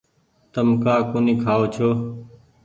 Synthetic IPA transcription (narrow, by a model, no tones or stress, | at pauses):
t̪əmkaːkoːnĩːkʰaːoːt͡ʃʰoː